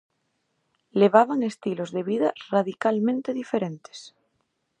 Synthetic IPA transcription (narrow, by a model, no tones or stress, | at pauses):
le̞β̞aβaŋest̪ilo̞zðe̞βiðaraðikalmẽnt̪eðifeɾẽnt̪e̥s